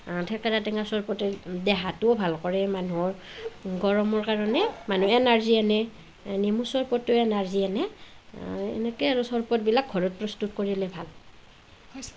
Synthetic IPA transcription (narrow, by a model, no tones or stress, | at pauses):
tʰɛkaɹatɛŋasɔɹpɔtɛdɛɦatʊbʱalkɔɹɛmanuɔɹɡɔɹɔmɔɹkaɹɔnɛman̤uɛnaɹzianɛ | nimusɔɹpɔtːʊɛnaɹzianɛ | ɛ̰nɛkɛaɹusɔɹpɔt̚bilak̚ɡʱɔɹɔt̚pɹɔstutkoɹilɛbʱal